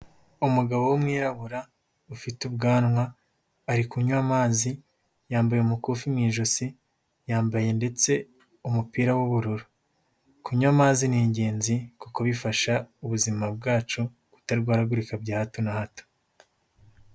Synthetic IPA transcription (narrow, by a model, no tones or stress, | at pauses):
umuɡaβowomŋiːɾaβuɾa | ufitub̚ɡaːnŋwaː | ɾikuɲwamaːzi | jaːmbajeumukuːfimŋiːʒosi | jaːmbaje̞nde̞t͡se̞ | umupiːɾawuβuɾuɾu | kuɲuamaːziniɲɟe̞ːnzikukoβifaʃauβuzimab̚ɡaːt͡ʃu | ku̥taɾiɡwaːɾaɡuɾikabɟaːhatonahato̥